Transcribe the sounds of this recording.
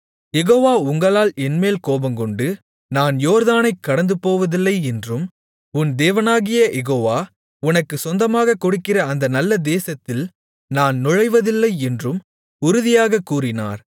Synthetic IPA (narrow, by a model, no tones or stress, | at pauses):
jɛɣoːʋaːʊŋɡɐɭaːlɛnmeːlkoːbɐŋkɔɳɖɯ | naːnjoːɾðaːnɐɪkːɐɽɐnd̪ɯpoːʋɐðɪlːɐɪɛndrɯm | ʊnd̪eːʋɐnaːɣɪjɐjɛɣoːʋaː | ʊnɐkːɯsɔnd̪ɐmaːɣɐkːɔɽɯkːɪrɐːnd̪ɐnɐlːɐd̪eːsɐt̪ːɪl | naːnnʊɻɐɪʋɐðɪlːɐɪɛndrɯm | ʊɾʊðɪjaːɣɐkːuːrɪna̰ːɾ